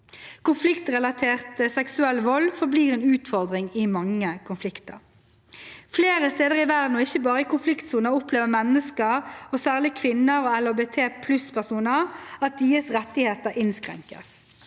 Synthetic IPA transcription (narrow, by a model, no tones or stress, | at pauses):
kʊnflɪkt̪ʁɛlɑt̪ʰeːʁt̪sɛksʉɛlːʋɔlːfɔbliːʁɛeːnʉːt̪fɔʁd̪ʁɪŋɪmɑŋːəkʰʊnflɪkt̪ə̰ʁ | fleːɾəst̪eːd̪əʁɪʋæʁd̪n̩ɔɪçːəbɑːʁəɪkʊnflɪkt̪suːnəɾʊpleːʋəmɛnːəskəɾɔsæːʁlɪkʰʋɪnːəɾoːɛlobeːt̪ʰeːpʰlʉspʰæʁsuːnəʁɑt̪̚d̪iːəsʁɛt̪ːɪheːt̪əɾʔɪnskɾɛ̰ŋkə̰s